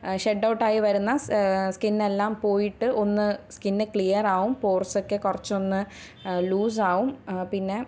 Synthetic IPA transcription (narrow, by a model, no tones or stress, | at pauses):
ɕeɖːɐwʈːaːjiʋɐɾunːɐskinːe̞lːaːmpo̞ːjiʈːɨʔo̞nːɨskinːɨkɭijɐraːɣumpoːrso̞kːekurɐt͡ɕːo̞nːɨ | luːs̬aːʋumpinːe̞